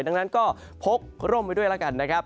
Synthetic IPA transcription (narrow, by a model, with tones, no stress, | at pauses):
jda˧ŋna˦˥nkɔː˥˩ | pʰo˦˥k̚ɾo˥˩mpa˧jdu˥˩əjlaː˦˥˩ka˨˩nːa˦˥kʰa˦˥p̚